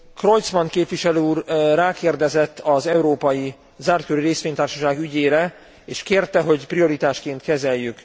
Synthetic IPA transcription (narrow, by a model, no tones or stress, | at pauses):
kro̞jt̪smɒnkeːpʋiʃɛløːuːrːaːkeːrd̪ɛzɛt̪ːɒzɛuɾoːpɒji | zaːrt̪̚køɾiɾeːsʋeːɲt̪aːrʃɒʃaːɡyɟeːɾɛ | eːʃkeːrt̪ɛɦo̞ɟpɾijo̞ɾit̪aːʃkeːnt̪kɛzɛjːyk